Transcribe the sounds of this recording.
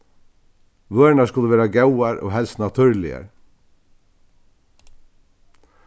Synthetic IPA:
ʋœːɹnaskʊləʋeːɾaɡawaɾɔ̰ːɦɛlst̪nat̪ʰʏɹlɪa̰ɹ

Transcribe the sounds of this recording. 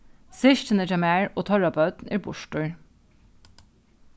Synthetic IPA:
sɪʃtənəd͡ʒɑmæːɹʔoːt̪ʰɑɹɑpʰɑʉt̪n̩æːɹbʊʃʈʊɹ

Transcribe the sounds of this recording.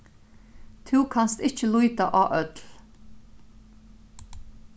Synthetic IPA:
t̪ʰʉːkʰanst̪ɪt͡ʃəlujt̪aʔaːʔœt̪l

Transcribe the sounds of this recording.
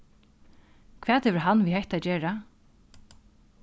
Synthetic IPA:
kʰvɛːt̪hɛvɪɾɦanːʋiɦɛjht̪aːd͡ʒɛːɾa

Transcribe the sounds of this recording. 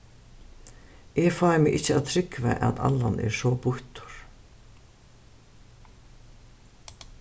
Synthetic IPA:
ɛfaːjmɪʔɪht͡ʃːəaðt̪ʰɾɪkva̰ʔa̰t̪a̰lːanɛ̰ɾsɔːpʊht̪ʊ̥ɾ̥

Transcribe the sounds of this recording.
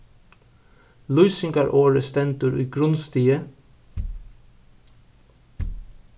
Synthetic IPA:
lʉʏsɪŋɡɑːɾʔoːɹəst̪ɛnt̪ʉːɾʔiːɡɾʉnst̪iːə

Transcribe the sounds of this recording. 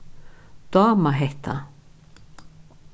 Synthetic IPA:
d̪̥ɑːmaɦɛht̪ʰa̰

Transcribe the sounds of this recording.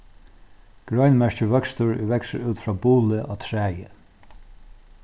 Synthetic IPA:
ɡ̥ɹœɥnmɛɹt͡ʃəvœkst̪əɹvɛksəɹʉːt̪fɹabuːləʔa̰t̪ʰɹæːjə

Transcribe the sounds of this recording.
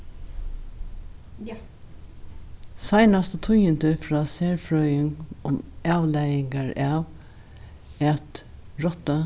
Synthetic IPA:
saɪnast̪ɔt̪ʰʊjənt̪əfɹɑːseːɹfɹœʏɪŋʊmɑːʋlæjɪŋɡaɹɑːʋ | ɛt̪ɹɔt̪a

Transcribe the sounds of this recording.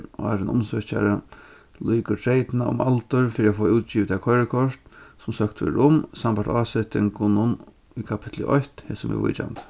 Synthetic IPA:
a̰ɾənʊ̰msœt͡ɕa̰ɾə | luːkəʈʰɾejt̪naʊ̰malt̪ʊɾfɪːɾiafɔːuːt̪t͡ɕiːʋt̪ʰakʰɔɾəkʰɔʂt̪sʊmsœkt̪ʏ̰ɾʊmsampaʈt̪aːsɪht̪ɪŋkʊnʊn | ikʰapʰɪ̥t̪ʰlʊ̰ʔɔht̪hɛsʊmɪ̰vʊ̰jt͡ɕa̰nt̪

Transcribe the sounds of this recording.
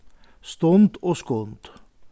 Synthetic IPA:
st̪ɔnt̪ɔskɔnt̪

